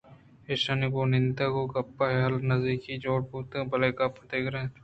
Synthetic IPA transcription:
eːʃanikonɪ̃nd̪akokɐpːaɦeɦɐlnɐzd̪iːkid͡ʒoːɽ̚puːt̪ẽbɐlekɐpd̪eːkʰɾɐẽ

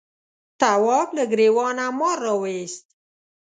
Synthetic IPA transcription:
t̪awɑblaɡɾewɑnamɔɾːɑwest̪̚

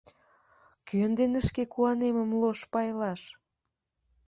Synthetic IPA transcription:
kyənd̪enəʃkekuɑneməmloʃpɑjlɑʃ

